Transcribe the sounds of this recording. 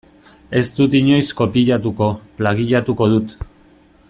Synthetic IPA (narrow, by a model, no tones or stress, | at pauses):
e̞st̪ut̪iɲo̞jsko̞piʎat̪uko̞plaɣiʎat̪uko̞ðut̪